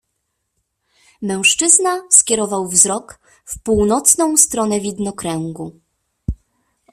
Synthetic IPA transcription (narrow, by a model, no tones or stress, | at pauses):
mɛw̃ʂt͡ʂɘznaskʲjɛɾɔvawvzɾɔk | fpuwnɔt̪snɔ̃w̃st̪ɾɔnɛvʲid̪nɔkɾɛŋɡu